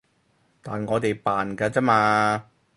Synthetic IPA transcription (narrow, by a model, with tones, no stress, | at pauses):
t̪aː˨nŋɔː˨˧t̪e˨jpaː˨nkaː˧t͡saː˥maː˧